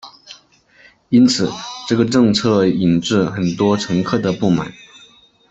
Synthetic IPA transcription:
i˥nt͡sʰɹ̩˨˩ʈ͡ʂɤ˥˩ɡə˩ʈ͡ʂɤ˥˧ŋt͡sʰɤ˥˩i˨˩nʈ͡ʂɻ̩˥˩xə˨˩nt̪wɔ˥ʈ͡ʂʰɤ˧˥ŋkʰɤ˥˩d̪ə˩pu˥˩ma̰˨˩˦n

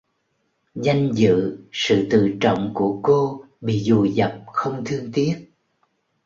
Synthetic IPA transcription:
za˧jŋ̟zɨ̰˧˨sɨ̰˧˨t̪ɨ̰˧˨t͡ɕə̰˧˨wŋ͡mku˧˩əko˧ | ɓḭ˧˨zu˨˩zə˨˩p̚xə˧wŋ͡mt̪ʰɨ˧əŋt̪i˦˥ət̚

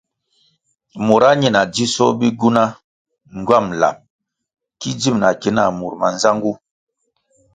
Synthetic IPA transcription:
mɔ˨ɾa˦ɲɛ˦˨na˨d͡ʒi˦sɔ˦bi˦ɡu˦na˦ | ŋ˨ɡɥa˦˨mla̰˨m | ki˦d͡ʒi˦˨mna˨ki˨˦na˨mu˨ɾma˨nza˦ŋɡu˦

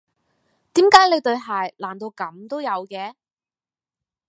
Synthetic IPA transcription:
t̪iː˨˥mkaː˨˥jle˨˧t̪ɵ˧ɥɦaː˨jlaː˨˩nt̪o˧wkɐ˨˥mt̪o˥wjɐ˨˧wkɛː˨˧

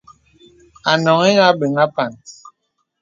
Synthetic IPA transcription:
a˨nɔ˨ŋe˦ŋa˦be˨ŋa˦pa˨n

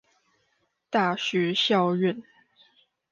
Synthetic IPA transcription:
t̪a˥˩ɕɥɛ˧˥˦ɕjɑ˥˧ʊɥɛ˥˨n

